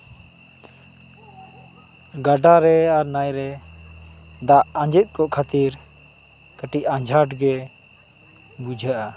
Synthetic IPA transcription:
ɡaɖaɾɛaɾnajɾɛ | d̪aʔaɲd͡ʒɛt̪̚ˀkɔʔkʰat̪iɾ | kəʈicãd͡ʒʱaʈɡɛ | bud͡ʒʱaʔa

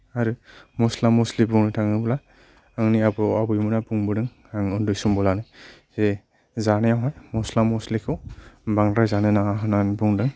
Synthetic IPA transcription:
aɾɯmɔslamuslibuŋnɯtʰaŋɯbɯla | aŋniabɯabɯjmɯnabuŋbɯdɯŋ | aŋɯndujsumbɔlanɯj | ze | zanɯjawɦajmɔslamɔslikʰɯwbaŋɡɾajzanɯnaŋaɦɯnanbuŋdɯŋ

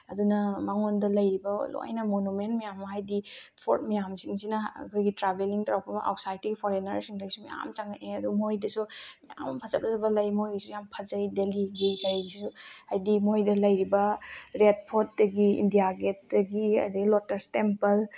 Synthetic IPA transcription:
ɐdunɐmaŋondɐlɐjɾibɐ̰lo̰jnɐmonument̚mijamːɐɦajdipʰoɾt̚mijamsiŋsinɐ̰kʰojɡitɾabeliŋtɾawpʰɐmɐʔo̰k̚sajtiɡipʰoɾenɐɾsiŋtʰaɡisumija̰mt͡ʃaŋaʔeɐdumojdɐsumija̰mpʰɐzɐp̚ɐzɐbɐlɐjmojɡisujampʰɐzɐjdeliɡikʰajɡisisuhajdimojdɐlɐjɾibɐɾed̚pʰot̚dɐɡiḭndijaɡet̚dɐɡiɐ̰dɐɡilɔtɐɾstempɐl

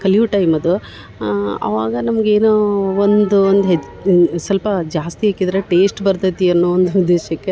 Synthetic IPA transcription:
kɐljuʈɐjmɐd̪u | ɐ̰ʋaːɡɐnɐmɐɡeːnoːond̪uond̪uɦe | sɐlpɐd͡ʒaːst̪iɦeːkid̪ɐɾeʈe̞ːsʈbɐɾd̪ʱɐt̪iɐnːuːond̪uud̪ːeːʃɐkːe

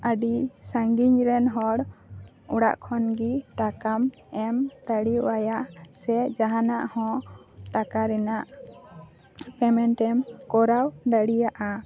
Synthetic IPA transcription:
əɖisaŋɡiɲɾɛnɦɔɽ | ɔɽa̰ʔkʰɔnɡiʈakamɛmd̪aɽiuajasɛd͡ʒaɦanaʔhɔ̃ʈakaɾɛnaʔ | pɛmɛnʈɛmkɔɾawd̪aɽijaʔa

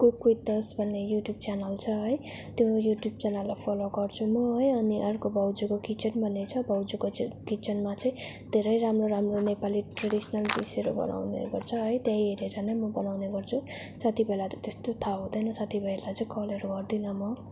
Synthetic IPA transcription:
kukwit̪ːʌsbʱʌnːejuʈjub̚t͡sanʌlt͡sʰʌɦʌjt̪jojuʈjub̚t͡sanalːapʰʌloɡʌrt͡sʰumʌɦʌjʌniʔʌrkobʌwd͡zukokit͡sʌnbʱʌnːet͡sʰʌbʌwd͡zukokit͡sʌnmat͡sʌĩd̪ʱeɾʌjɾamroɾamronepaliʈraɽisʌnʌlb̪ḭseɾo̰bʌ̰nʔa̰wnḛɡʌrt͡sʰʌɦʌjt̪jãjeɾeɾʌnamʌbʌnawneɡʌrt͡sʰu | sat̪ʰibʱelat̪ʌt̪est̪ot̪ʰaɦũd̪ʌjnʌsat̪ʰibʱʌjlat͡sʌĩkʌleɾoɡʌrd̪inʌmʌ

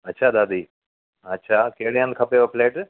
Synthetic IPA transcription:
ɐtːʃʰaːd̪aːd̪iː | ɐtːʃʰaːkeɦɽeɦə̃nd̪̚kʰɐpeopleːʈ

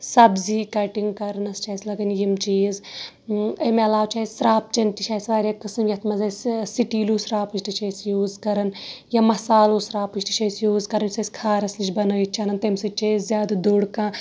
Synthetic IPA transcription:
sɐbzikɐʈiŋɡkɐɾɐnɐst͡ʃaːsʲlɐɡɐnjimt͡ʃiːz | ɐmelaːwt͡ʃajʲsɾaːp̚t͡ʃɐnt̪it͡ʃʰaːjsʋaːɾʲakɨsɨmjɐt̪ʰmɐzɐssiʈiːlusɾaːpɨʃʈit͡ʃɐsjuːzkɐɾɐnjɐmɐsaːlusɾaːpɨʃʈi̥t͡ʃɐjsjuːzkɐɾɐnsɐsʲkʰaːɾɐslit͡ʃbɐnɐːit͡ʃʰanɐnt̪emsit͡ʃɐzzjaːd̪ɐd̪oɽkãː

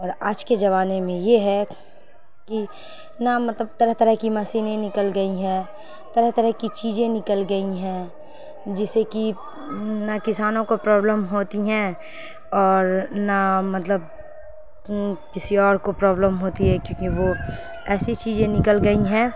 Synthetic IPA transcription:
ɔːɾaːd͡ʒked͡ʒɐβaːnemẽjeɦɛ | ki | namɐt̪ləb̚t̪ɐɾəɦt̪ɐɾəɦkimɐsiːnẽnɪkəlɡɐiɦɛ̃ː | t̪ɐɾəɦt̪ɐɾəɦkit͡ʃiːd͡ʒẽnɪkəlɡɐiɦɛ̃ | d͡ʒɪseki | nakɪsaːnõkopɾɔːbləmɦoːt̪iɦɛ̃ | ɔːɾnamɐt̪ləb̚ | kɪsiɔːɾkopɾɔːbləmɦoːt̪iɦɛkjõːkiʋo | ɛːsit͡ʃiːzẽnɪkəlɡɐiɦɛ̃ː

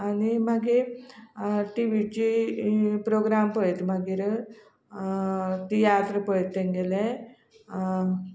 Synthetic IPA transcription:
ɐnimɐɡi | ʈiʋiʈi | pɾoːɡɾaːmpojt̪umɐɡiɾ | t̪ijaːt̪ɾɐpojt̪ːeŋɡile

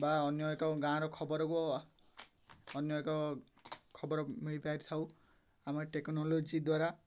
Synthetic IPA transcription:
baɔnjɔekɔɡãɾɔkʰɔbɔɾɔkuɔ | ɔnjɔekɔ | kʰɔbɔɾɔmiɭipajɾt̪ʰaw | amɔɾʈeknolod͡ʒid̪waɾa

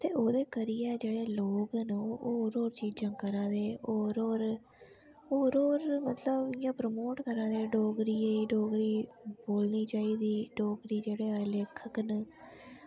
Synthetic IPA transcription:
t̪eːoːd̪eːkəɾijɛːd͡ʒeːɽeːloːɡnoːɾoːɾt͡ʃiːd͡ʒãːkəɾãːd̪eːoːɾoːɾ | oːɾoːɾmət̪ləbɪjãːpɾəmoːʈkəɾãːd̪eːɖoːɡɾiːeːɖoːɡɾiːboːlniːt͡ʃaːiːd̪iːɖoːɡɾiːd͡ʒeːɽeːleːkʰəkn

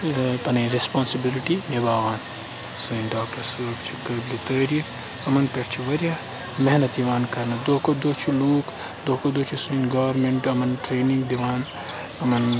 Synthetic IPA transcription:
pɐnɐɾespoːnsibiliʈinebaːʋaːn | suĩnɖaːk̚ʈɐɾsɐkt͡ʃʰu̥kɐblit̪ɐːɾi | ɐmɐnpeʈt͡ʃʰiʋɐɾjaː | mɛɦnɐt̪iʋaːnkɐɾnɐd̪oːkod̪oːt͡ʃʰuluːk | d̪oːkod̪oːt͡ʃʰusuinɡɐʋɐɾmeɳʈɐmɐnʈɾeːnĩŋɡd̪imaːn | ɐmɐn

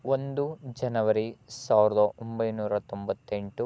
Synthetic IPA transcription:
ond̪ud͡ʒɐnɐʋɐɾisaːʋiɾɐd̪ɐʔombɐjnuːɾɐt̪ombɐt̪ːe̞ɳʈu

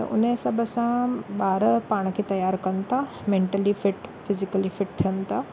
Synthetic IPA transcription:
t̪ɐ̰ʔʊ̰nəsɐbʱəsãɓaːɾpaːɽ̃kʰeːt̪ɐjaːɾkɐn̆t̪ʰa | mẽːɳʈəlifɪʈfɪzɪkəlifɪʈ̚t̪ʰijənt̪ʰaː

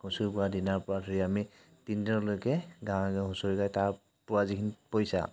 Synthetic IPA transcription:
husuɹpʊɹadinaɹpʊɹadʰʱoɹiami | tindinɔlojkɛɡãw̃akaɦʊsuɹikajtaɹ | pʊɹazikʰinipojsa̰

